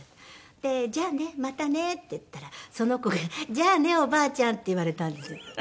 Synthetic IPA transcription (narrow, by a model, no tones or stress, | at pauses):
t̪e̞d͡ʒaːnemat̪anet̪ːet̪ːaɾasonokokd͡ʒaːneobaːt͡ɕãnt̪ːeiβaɾet̪ãnd̪esɨ